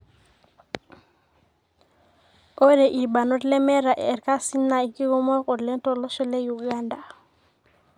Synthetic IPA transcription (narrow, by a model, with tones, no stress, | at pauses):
ʔɔ˦ɾɛ˨ʔi˨ba˨nɔ˦tlɛ˦mɛ˦ɾa˨ʔɛ̰ː˨ɾka˦si˦nːa˨i˨ki˦ɡɔ˦mɔ˦kɔ˨dlɛ˦ntɔ˨lɔ˦ʃɔ˦lɛ˦ju˨ɡanda˨